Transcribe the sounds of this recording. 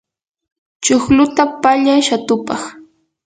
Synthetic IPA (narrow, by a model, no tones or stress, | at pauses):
t͡ʃoχlʊt̪apaʎajʃat̪ʊpɑχ